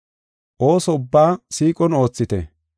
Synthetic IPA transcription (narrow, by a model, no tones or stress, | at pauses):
ʔo̞ːsɔʊbːaːsiːkʼɔno̞ːt͡sːɪt̪ɛ̰